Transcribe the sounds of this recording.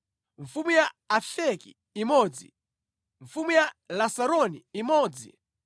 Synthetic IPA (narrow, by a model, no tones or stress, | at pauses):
ɱ̩fumujaːfɛkiː | mɔːd͡zḭ | ɱ̩fumujalasaɾɔniimɔːd͡zḭ